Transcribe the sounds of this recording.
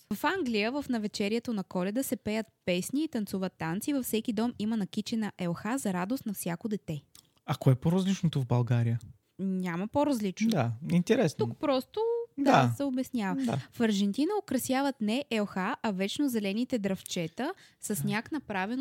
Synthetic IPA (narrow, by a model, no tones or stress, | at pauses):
vɐfaŋɡlijəvəfnɐvɛt͡ʃɛɾijɛt̪onɐkɔlɛd̪əsɛpɛjət̪̚pɛsniːt̪ɐnt̪suvət̪ːant̪sivɐfsɛkid̪ɔmimənɐkit͡ʃɛnɐʔɛlˠxazɐɾad̪ost̪nɐfsʲjakod̪ɛt̪ɛ | ɐkoɛpoɾɐzlit͡ʃnot̪ovbɐlˠɡaɾijə | ɲʲaməpoɾɐzlit͡ʃnod̪aint̪ɛɾɛsnukpɾɔst̪od̪asɛobɛsnʲavɐd̪a̰fɐɾʒɛnt̪inəokɾɐsjavət̪nɛʔɛlˠxaʔɐvɛt͡ʃnozɛlɛnit̪ɛd̪ɾɐft͡ʃɛt̪ə | səsnʲaknɐpɾavɛn